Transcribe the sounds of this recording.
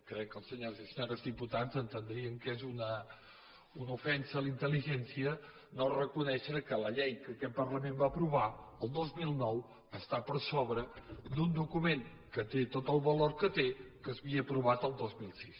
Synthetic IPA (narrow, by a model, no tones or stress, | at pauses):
kɾɛkːəlˠsəɲozisəɲoɾəzðiput̪adzənt̪ənd̪ɾiəŋkezunə | unəufɛnsəːlint̪əliʒɛnsiə | norəkunɛʃəkələʎɛjkəkɛt̪̚pəɾləmẽmbaəpɾuβaəlˠd̪ozmilˠnɔw | əst̪apəɾsoβɾəd̪und̪ukumeŋ | kət̪et̪ot̪əlˠβəloɾkət̪ekəzβiəːpɾuβat̪əlˠd̪ozmilˠsis